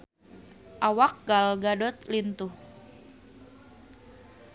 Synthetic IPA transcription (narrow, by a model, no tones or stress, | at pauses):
ʔawak̚ɡalɡadɔt̪lint̪uh